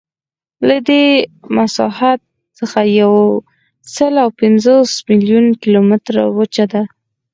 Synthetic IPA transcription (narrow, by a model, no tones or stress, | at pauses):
lad̪emasɑhat̪̚ | səxajaw | səlawpɪnzosmiljunkilomɪt̪ɾa̰wət͡ʃad̪a